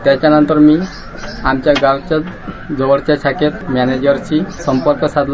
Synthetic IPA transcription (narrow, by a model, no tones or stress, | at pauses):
t̪ɛt͡ʃanɔnt̪ɔɾmi | amt͡ʃaɡalt͡ʃa | d͡ʒɔɔɽt͡ʃasʰaket̪mɛned͡ʒɔɾt͡ʃʰisɔmpɔɾkɔsad̪l